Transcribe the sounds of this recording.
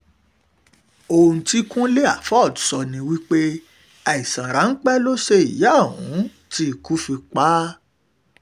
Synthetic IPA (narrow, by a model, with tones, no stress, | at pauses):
o˧ũ˧ti˦kũ˦le˦a˦˨fɔ˦˨tu̥˨sɔ˧nĩ˧wi˦k͡pe˦ | a˨i˨sã˨ɾa˨˦n̩˦k͡pɛ˦lo˦ʃe˧ḭ˨ja˦˨ɦṵ̃˨˦ | ti˧˦˨ku˦fi˧k͡pa˦